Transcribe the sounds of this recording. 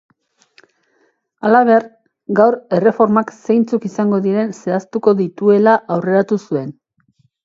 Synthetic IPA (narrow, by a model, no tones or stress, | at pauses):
alaβ̞e̞ɾ | ɡawɾe̞re̞fo̞ɾmakse̞jnt͡sukisaŋɡo̞ðiɾe̞nse̞ast̪uko̞ðit̪ue̞laʔawre̞ɾat̪usue̞n